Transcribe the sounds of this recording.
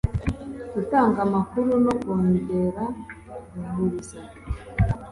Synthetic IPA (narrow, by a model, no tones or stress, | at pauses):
dutaːŋɡamakuɾuno̞kwoːɲɟe̞ɾa | ihuɾisa